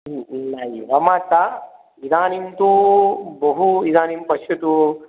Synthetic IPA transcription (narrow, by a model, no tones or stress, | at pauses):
najiʋɐmaːt̪ːa | id̪aːnimt̪ubɐɦuid̪aːnimpɐʃjɐt̪u